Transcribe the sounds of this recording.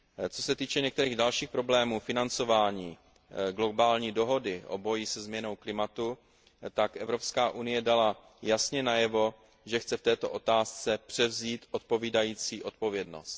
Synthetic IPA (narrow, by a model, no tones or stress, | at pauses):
t͡so̞sɛt̪iːt͡ʃɛɲɛk̚t̪ɛɾiːɣdalʃiːxpɾo̞blɛːmuːfɪnant͡so̞vaːɲiː | ɡlo̞baːlɲiːdo̞ɦo̞dɪʔo̞̰bo̞jɪsɛzmɲɛno̞wklɪmat̪u | t̪akʔɛvɾo̞pskaːʔunɪjɛdala | jasɲɛnajɛvo̞ | ʒɛxt͡sɛft̪ɛːt̪o̞ʔo̞t̪aːst͡sɛpr̝̥ɛvziːt̪ʔot̪̚po̞viːdajiːt͡siːʔo̞t̪̚po̞vjɛdno̰st̪